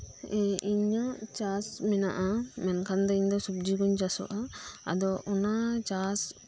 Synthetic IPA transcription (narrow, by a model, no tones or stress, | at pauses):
iɲət͡ʃasmɛna̰ʔamɛnkʰand̪ɔiɲd̪ɔsub̚d͡ʒiɡuɲt͡ʃasɔ̰ʔaa̰d̪ɔʔɔnat͡ʃas